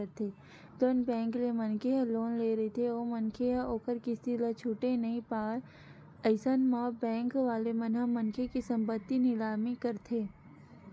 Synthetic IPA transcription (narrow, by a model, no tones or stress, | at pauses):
əɾt̪ʰeː | d̪onbɛ̃ːŋklemɐnkʰeɦɐ̃loːnleːɾɐit̪ʰeoːmɐnkʰeɦãoːkəɾkist̪ilɐt͡ʃʰuːʈenɐɦĩpaːɽ | əɪsənmaːbɛ̃ːŋkʋaːlemɐnɦamɐnkʰekisɐ̃mpət̪ːinɪlaːmikɐɾt̪ʰeː